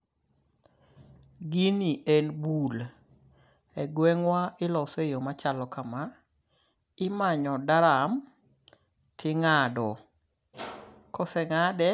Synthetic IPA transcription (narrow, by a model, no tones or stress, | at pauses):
ɡiniʔenbul | ɛɡwɛŋwaɪlɔsejomat͡ʃalɔkama | ɪmaɲɔdaɾam | tʰɪŋadɔ | kɔsɛŋadɛ